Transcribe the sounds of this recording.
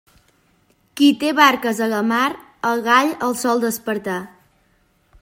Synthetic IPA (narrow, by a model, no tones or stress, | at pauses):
kit̪eβaɾkəzələmaɾ | əɣaʎəlˠsɔlˠd̪əspəɾt̪a